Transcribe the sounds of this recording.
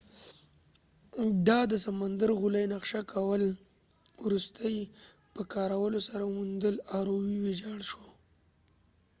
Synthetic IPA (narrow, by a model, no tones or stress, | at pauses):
d̪ɑd̪əsamand̪aɾɣʊlajnaqʃakʰawəl | wɾust̪ʰəj | pəkɑɾawəlosaɾamund̪əlɑɾowiwed͡ʒɑɽʃwo